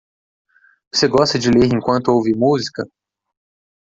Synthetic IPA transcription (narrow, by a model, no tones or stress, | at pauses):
voseɡɔst̪ɐd͡ʒɪleɾẽŋkwɐ̃nt̪ʊowvɪmuzikɐ